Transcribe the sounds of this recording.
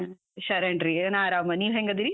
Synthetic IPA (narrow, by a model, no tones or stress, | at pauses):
ʃɐɾɐɳʈɾinaːɾaːmɐniːʋɦeŋɡɐd̪iɾi